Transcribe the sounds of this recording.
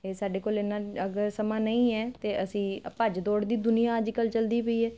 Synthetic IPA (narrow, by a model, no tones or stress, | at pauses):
eːsaːɖeːkoːlɪnãːəɡəɾsəmãːnəĩːɛːt̪eːʔəsĩːpəd͡ʒd̪ɔːɽd̪iːd̪ʊnɪjãːəd͡ʒkəlt͡ʃəld̪iːpəiːɛː